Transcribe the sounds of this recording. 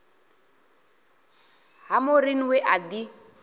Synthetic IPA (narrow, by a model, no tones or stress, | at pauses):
ɦamʊriniwɛʔadi